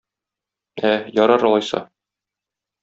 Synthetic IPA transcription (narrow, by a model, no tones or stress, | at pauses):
æjɒɾɑɾɒlˠɑjsɑ̰